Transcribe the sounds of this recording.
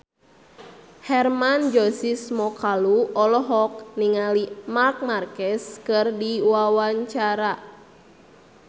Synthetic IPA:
hɛrmand͡ʒɔsismɔkaluɔlɔɦɔk̚niŋalimark̚markɛskɨrdiwawaɲt͡ʃaɾa

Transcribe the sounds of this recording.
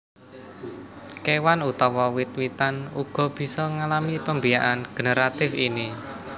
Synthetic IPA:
kewanut̪ɔwɔwɪt̪̚wit̪anuɡ̥ɔ̤b̥i̤sɔŋalamipəmbijaʔanɡ̥ə̤nəɾat̪ɪfini

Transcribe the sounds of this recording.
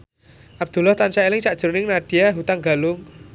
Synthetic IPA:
ʔab̚d̪̥ṳlaht̪ansaelɪŋsaʔʒ̥əɾnɪŋnaɖ̥i̤jaɦut̪aŋɡa̤lʊŋ

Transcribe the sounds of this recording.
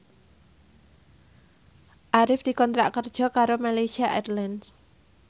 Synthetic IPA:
ʔaɾɪfd̪̥i̤kɔnt̪ɾa̰ʔkərd̥ʒ̥ɔ̤kaɾomalejsiaʔɛt̪lans

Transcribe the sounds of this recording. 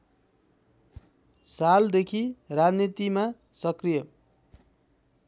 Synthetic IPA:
sald̪ekʰirad͡znit̪ima | sʌkrijʌ

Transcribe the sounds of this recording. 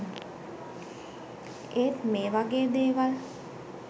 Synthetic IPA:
eːt̪meːʋaɡeːd̪eːʋal

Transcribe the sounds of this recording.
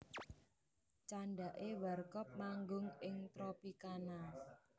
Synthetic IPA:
t͡ʃaɳɖaʔewarkɔp̚maŋɡʊŋɪŋt̪ɾopikana

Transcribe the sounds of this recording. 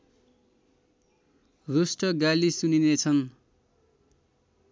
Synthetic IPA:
rusʈʌɡalisuninet͡sʰʌn

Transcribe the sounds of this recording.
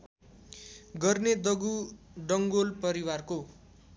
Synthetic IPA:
ɡʌrned̪ʌɡuɖʌŋɡolpʌɾiwarko

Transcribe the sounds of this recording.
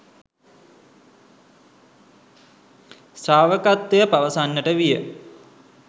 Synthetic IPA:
saːʋəkat̪ʋejəpaʋəsanːəʈəʋijə

